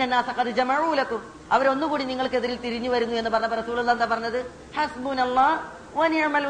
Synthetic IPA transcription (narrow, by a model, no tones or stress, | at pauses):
ɐnːaːsɐqɐðɨd͡ʑɐmaʕuːlɐkːum | ɐʋɐɾo̞nːukuːɽiniŋːɐɭkeðiɾilt̪iɾiɲːuʋɐɾunːue̞nːɨpɐrɐɲːɐbɐrɐsuːlulːaːend̪aːpɐrɐɲːɐðɨ | ħɐsbuːnɐlˠˤːɑː | ʋɐniʕmɐl